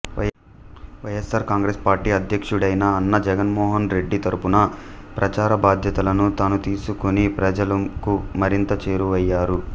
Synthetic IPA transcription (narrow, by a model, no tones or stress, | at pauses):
ʋɐjesaːɾkaːŋɡɾeːspaːɾʈiːɐd̪ʱjɐkʂuɽɐjnɐːnːɐd͡ʒɛɡɐnmɔːɦɐnɾe̞ɖːit̪ɐɾupunɐ | pɾɐt͡ʃaːɾɐbaːd̪ʱjɐt̪ɐlɐnut̪aːnut̪iːsukonipɾɐd͡ʒɐlɐkumɐɾint̪ɐt͡ʃe̞ːɾuʋɐjːaːɾu